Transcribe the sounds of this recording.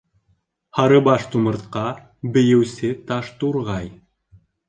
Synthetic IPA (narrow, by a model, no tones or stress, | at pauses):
hɑɾɤbɑʃt̪umɤ̆ɾt̪̚qɑ | bɘ̆jɘ̆wsɘt̪ɑʃt̪uɾʁɑj